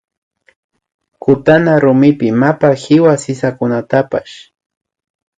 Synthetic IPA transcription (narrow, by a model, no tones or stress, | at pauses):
kʊt̪anaɾʊmɪpɪmapahɪwasɪsakʊnat̪apa̰ʃ